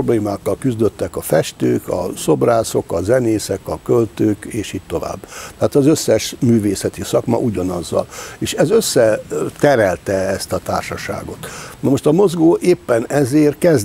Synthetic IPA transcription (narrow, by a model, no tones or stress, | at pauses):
obleːmaːkːɒlkyzd̪øt̪ːɛkɒfɛʃt̪øːkʰɒ̰so̞braːso̞kɒzɛneːsɛkɒkølt̪øːkeːʃiːt̚t̪o̞va̰ːbːt̪ɛaːt̪ɒzøsːɛʃmyːveːsɛt̪isɒkmɒ̰ʔuɟɒnɒzːɒ̰leːʃɛzø̞sːɛt̪ɛɾɛlt̪ɛɛst̪ɒt̪a̰ːrʃɒʃa̰ːɡo̞t̪nɒmo̞ʃt̪ɒmo̞zɡoːʔeːpːɛnɛzeːrkɛz